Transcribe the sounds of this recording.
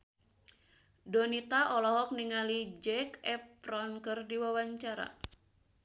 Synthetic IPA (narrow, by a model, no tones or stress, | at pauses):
donit̪aʔɔlɔɦɔk̚niŋalid͡ʒɛkɛpɾɔnkɨrdiwawaɲt͡ʃaɾa̰